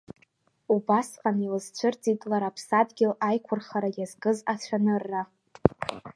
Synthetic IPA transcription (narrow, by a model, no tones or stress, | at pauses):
ubasqʼanilɨzt͡ɕʷʰɨrt͡sʼidʼlaɾapʰsadɡʲɪlajkʷʰʊrχaɾajazɡɨzat͡ɕʷʰanɨrːa